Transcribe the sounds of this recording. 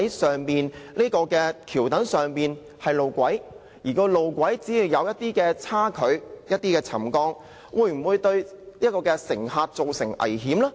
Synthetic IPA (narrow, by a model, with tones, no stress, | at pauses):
jsœː˨˩ŋpiː˨nliː˥kɔː˧kɛː˧kʰiː˨˩wt̪ɐ˨˥ŋsœː˨ŋpiː˨n | hɐ˨jlo˨˧wkʷɐ˨˥j | jiː˨˩kɔː˧lo˨wkʷɐ˨˥jt͡siː˨˥jiː˧wjɐ˨˧wjɐ˥t̚t̪iː˥kɛː˧t͡sʰaː˥kʰɵ˨˥ɥjɐ˥t̚t̪iː˥kɛː˧t͡sʰɐ˨˩mkɔː˥ŋ | wʔuː˨˧jm̩˨˩wuː˨˧jt̪ɵ˧ɥniː˥kɔː˧kɛː˧sɪ˨˩ŋhaː˧t̚t͡so˨wsɪ˨˩ŋʔɐ̰˨˩jhiː˨˥mlɐː˥